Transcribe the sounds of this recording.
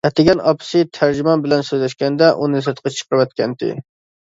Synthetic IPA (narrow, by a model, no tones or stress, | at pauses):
ɛt̪ɪɡʲɛnɑpʰɨ̥sɨt̪ʰæɾd͡ʒimɑnbɪlɛnsøzlɛʃkʲɛnd̪ɛʔunɨsɨt̪qʰɑt͡ʃʰə̥qəɾɨwɛt̪̚kʲʰɛnt̪ʰɪ̰